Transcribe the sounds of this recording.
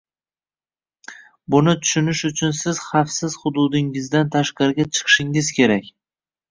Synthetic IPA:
bʊnɪt̪ʰʊ̥ʃʊnɪʃʊt͡ʃʰʊnsɪz̥χɑfsɪz̥χʊd̪ʊd̪ɪŋɪzd̪ant̪ʰaʃqɑɾɡʲat͡ʃʰɨ̥qʰɨ̥ʃɪŋɪzkʲʰe̞ɾakʲ

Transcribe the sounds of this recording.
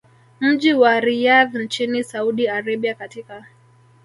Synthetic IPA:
m̩ʄiwaɾijaðnt͡ʃinisauɗiaɾɛɓiakatika

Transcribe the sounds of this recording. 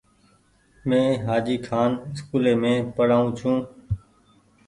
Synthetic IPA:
mẽːɦaːd͡ʒiːkʰaːnɪskuːleːmẽːpəɽaːũːt͡ʃʰũː

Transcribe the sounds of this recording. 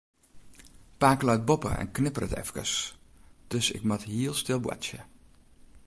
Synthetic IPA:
paːkəlœt̚bopə̰ɛ̰nknɪpərətɛ̰fkə̰s | d̥øsɪ̰kmatɦiəlˠstɪlˠbwa̰sjə

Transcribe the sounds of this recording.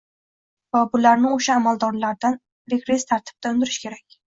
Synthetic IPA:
vabʊlaɾnɪoʃaːmalˠd̪ɒɾlaɾd̪an | ɾekɾest̪ʰaɾt̪ʰɪ̥b̚d̪̥ʰaʊnd̪ɪɾɪʃkʲʰe̞ɾakʲ

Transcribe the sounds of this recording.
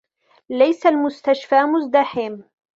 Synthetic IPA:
lajsalmʊst̪aʃfaːmʊzd̪aħɪm

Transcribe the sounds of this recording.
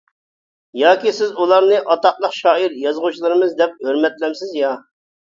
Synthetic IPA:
jɑːkʲisɪzulˠɑɾnɨʔɑt̪ɑqlˠəqʃɑːiɾjɑzʁut͡ʃʰilˠɨɾɨmɨzd̪ɛp̚øɾmɛt̪lɛmsɪzjɑ

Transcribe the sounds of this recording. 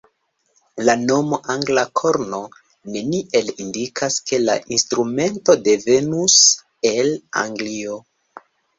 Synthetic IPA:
lano̞moʔaŋɡlakʰo̞ɾno̞ | ne̞niʔe̞lindikʰaske̞la̰ʔinstɾume̞nto̞de̞ve̞nus | e̞la̰ŋɡlio

